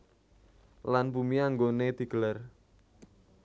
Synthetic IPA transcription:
lanbumiaŋɡoned̪̥i̤ɡ̥əlar

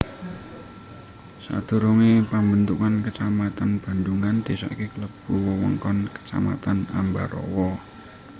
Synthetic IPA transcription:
sa̰d̪̥ṳɾuŋepəmbənt̪ukankət͡ʃamat̪anb̥a̤nd̪uŋand̪̥e̤sɔ̰ikekələb̥uwəwə̰ŋkɔnkə̥t͡ʃa̰ma̰t̪ana̰mba̰ɾɔ̰wɔ

